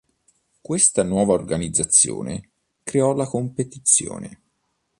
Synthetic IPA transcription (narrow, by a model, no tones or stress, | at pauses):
kwest̪anwɔːvaorɡanid̪zːat̪sːjo̰ːnḛ | kɾeɔlakompet̪it̪sjo̰ːne